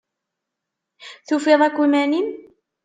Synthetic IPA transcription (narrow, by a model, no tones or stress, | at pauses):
θufiðˤækʷːimænin